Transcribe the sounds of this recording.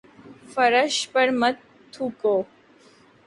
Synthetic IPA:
fəɾəʃpəɾmət̪ʰː | ukoː

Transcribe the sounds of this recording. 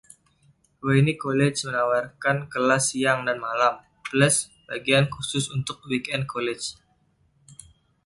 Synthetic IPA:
oinikolɛd͡ʒmənawarkankəlasiaŋdanmalam | plɛs | baɡiankusʊsunt̪ʊk̚wikɛnd̚kʰolɛt͡ʃ

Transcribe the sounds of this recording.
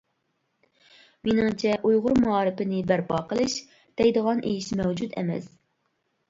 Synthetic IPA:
menɪŋt͡ʃʰɛʔujʁʊɾmɑːɾɨpɪnɪbæɾpʰɑːqəlˠɨʃ | d̪̥ɛjd̪əʁɑnʔejiʃmɛwd͡ʒut̪ʰɛ̰mɛ̰s

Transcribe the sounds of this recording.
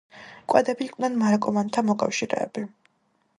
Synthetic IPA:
kʼwad̪ɛbiːkʼwnɛnmaɾakʼɔmant̪ʰamɔkʼa̰fʃiɾɛ̰ːbi

